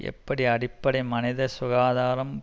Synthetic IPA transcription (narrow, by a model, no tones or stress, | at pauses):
ʔɛ̰pːɐɽiɐɽɪpːɐɽɐɪmɐnɪðɐsʊɣaːðaːɾɐm